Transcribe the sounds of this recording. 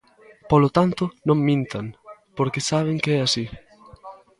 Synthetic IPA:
polot̪ant̪ʊnõŋmĩnt̪aŋpoɾkesaβ̞ɪŋkeɛasi

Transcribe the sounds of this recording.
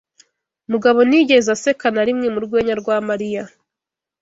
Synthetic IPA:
muɡaβo̞niɟe̞zase̞kanaɾimŋemuɾɡwe̞ːɲaɾɡwaːmaɾija

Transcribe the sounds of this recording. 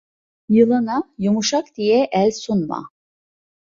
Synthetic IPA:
jɯlˠɯnajumuʃakd̪ijɛʔælʲsunma̰

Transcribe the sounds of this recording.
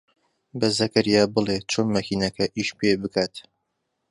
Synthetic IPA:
bɐzɐkɐɾijaːbɨlˠet͡ʃʰoːnmɐkʰiːnɐkʰɐʔiːʃpʰebɨkʰaːt̪

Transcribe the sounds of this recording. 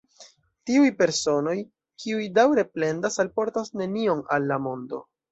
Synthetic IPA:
tiujpe̞ɾso̞no̞j | kʰiujdawɾe̞ple̞ndasalpo̞ɾtasne̞nio̞nalːamo̞ndo̞̰

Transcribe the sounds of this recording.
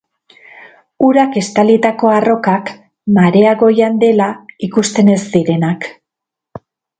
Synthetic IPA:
uɾake̞st̪alit̪ako̞aro̞kak | maɾe̞aɣo̞jand̪e̞laikust̪e̞ne̞zd̪iɾe̞nak

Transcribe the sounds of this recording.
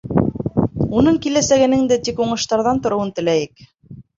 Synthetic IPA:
unɤɴkilæsæɡɘ̆nɘŋd̪ɘt̪ikuɴɤ̆ʃt̪ɑɾðɑnt̪ŏɾŏwɤnt̪ɘ̆læjɘk

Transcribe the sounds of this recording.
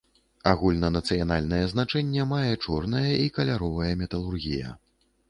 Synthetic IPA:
aɣulʲnɐnɐt̪sɨjanalʲnɐjɛznat͡ʂɛnʲːɛmajɛt͡ʂɔrnɐjɐʔikɐlʲaɾɔvɐjɐmʲɛt̪ɐlˠurɣʲijɐ̰

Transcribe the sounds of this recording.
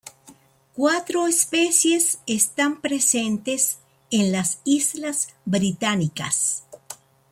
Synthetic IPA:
kwat̪ɾoespesjesest̪ampɾesent̪es | enlasizlazbɾit̪anika̰s

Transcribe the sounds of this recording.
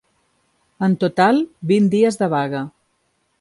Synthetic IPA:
ənt̪ut̪alˠbind̪iəzðəβaɣə

